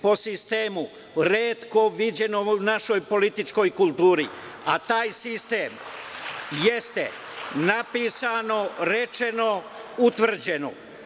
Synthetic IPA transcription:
po̞sist̪eːmu | ɾeːt̪ko̞ʋid͡ʑe̞no̞unaʃo̞jpo̞lit̪it͡ʃko̞jkulˠt̪uːɾi | at̪aːjsist̪eːm | jest̪e | napiːsano̞ɾe̞t͡ʃe̞no̞ | ut̪ʋr̩d͡ʑe̞no̰

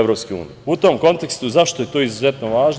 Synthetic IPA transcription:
ʋɾo̞pskeṵːniut̪o̞mko̞nt̪e̞kst̪uzaʃt̪o̞jet̪o̞ːizuzet̪noʋaːʒ

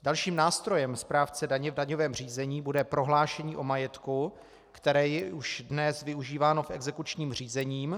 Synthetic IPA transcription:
dalʃiːmnaːst̪ɾo̞jɛmspɾaːft͡sɛdaɲɛvdaɲovɛːmr̝iːzɛɲiːbudɛpɾo̞ɦlaːʃɛɲiːʔo̞majɛt̪ku | kt̪ɛɾɛːjɛuʃdnɛsvɪuʒiːvaːno̞fʔɛɡzɛkut͡ʃɲiːmr̝iːzɛɲiːm

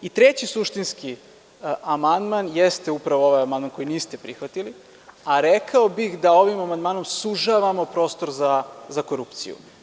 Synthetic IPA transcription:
it̪ɾet͡ɕisuʃt̪inski | amand̪manjest̪eupɾaʋooʋajamand̪manko̞jiniːst̪epɾixʋat̪ili | aɾekʰaobixd̪ao̞ʋimamand̪maːno̞msuʒaʋamo̞pɾo̞ːst̪o̞ɾzazako̞ɾupt̪sḭjṵ

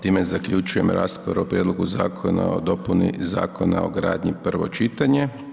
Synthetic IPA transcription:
t̪iːmezakʎut͡ʃuje̞mɾa̰ːspa̰ɾuopɾjed̪lˠo̞ɡuzaːkʰona̰od̪o̞punḭza̰ːkʰona̰oɡɾa̰ːd̪ɲipr̩ʋo̰t͡ʃit̪aɲe

